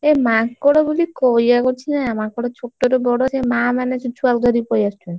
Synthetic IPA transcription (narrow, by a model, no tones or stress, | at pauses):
emakkɔɽobulikojakoɾt͡ɕʰinaamakːɔɽot͡ɕʰoʈːotobɔɽoat͡ɕʰemamanet͡ʃut͡ɕʰualɡaɾipojaʃten